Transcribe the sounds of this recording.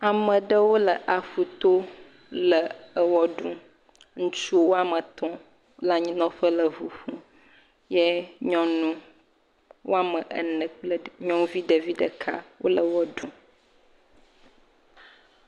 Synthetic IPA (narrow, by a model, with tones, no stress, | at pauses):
a˨mə̃˨ɖə˦wo˦lə˨ʔa˨ɸu˨t̪o˦ | lə˨ə˨wɔ˦ɖũ˦ | ŋũ˦t͡ʃu˦wo˦a˨mə̃˨t̪ɔ̃˦ | la˦ɲĩ˦nɔ̃˦ɸə˦lə˨vu˨ɸũ˦ | jɛ˦ɲɔ̃˦nũ˦ | wʔo̰˦a˦mə̃˨ʔə˨nə̃˨k͡plə˦ɲɔ̃˦vi˦ɖə˨vi˦ɖə˨kʰa̰˦wʔo̰˦lə˨wɔ˦ɖũ˨˦